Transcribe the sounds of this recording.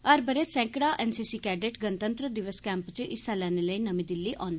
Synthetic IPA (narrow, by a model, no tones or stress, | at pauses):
əɾbəɾeːsɛ̃ːŋkɽaːʔɛːnsiːsiːkɛːɖeʈɡənət̪ənt̪ɾəd̪ɪʋəskɛ̃ːmpt͡ʃəʔɪsaːlɛːneləiːnəmĩːd̪ɪlːiːʔɔːn